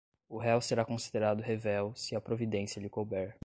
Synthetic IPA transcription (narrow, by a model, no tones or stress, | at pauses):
ʊɦɛwseɾakõsi̥d̪eɾad̪ʊɦevɛwsɪɐpɾovid̪ẽsjɐlɪkobɛɾ